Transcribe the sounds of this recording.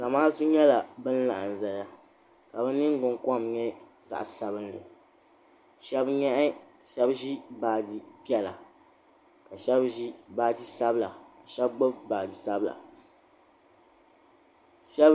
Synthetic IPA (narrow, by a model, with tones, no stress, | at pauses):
ka˨maː˦su˦ɲɛ˦la˨bɨ˦n˦la˨ʔa˨n˨za˨ja˦ | ka˨bɛ˦nɨ˦ŋ˦ɡʊ˨ŋkɔ˦mɲɛ˦ | za̰˨ʔsa˨bɨ˦nlɨ˨ | ʃɛ˦bɲɛ˦ʔ | ʃɛ˦bʒi˦baː˨d͡ʒi˦pi˦ɛ˦la˨ | ka˨ʃɛ˦bʒi˦baː˦d͡ʒi˦sa˦bla̰˨a˨ʃɛ˦b̚ɡ͡bo˦bbaː˨d͡ʒi˨sa˦bla̰˨ | ʃɛ˦b